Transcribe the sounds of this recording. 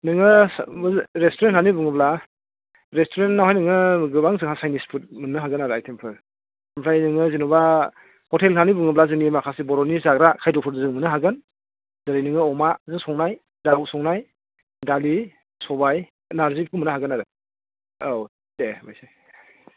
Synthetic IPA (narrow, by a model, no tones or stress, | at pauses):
nɯŋɯ | ɾestɔɾentʰhʰanibuŋɯbla | ɾestʰoɾennawɦajnɯŋɯɡɯbaŋzɯŋɦasajnispʰut̚mɯnɯɦaɡɯnaɾɯajtʰempʰɯɾʰ | mpʰɾajnɯŋɯzinuba | hɔtʰelkʰanibuŋɯblazɯŋnimakʰasibɔɾɔnizaɡɾakʰajdɔpʰɯɾdɯzɯŋmɯnɯɦaɡɯn | zaɾijnɯŋɯɔmazɯŋsɔŋnaj | dawsɔŋnaj | dali | sɔbaj | naɾzik̚pʰumɯnɯɦaɡɯnaɾɯ | ow | debajsaj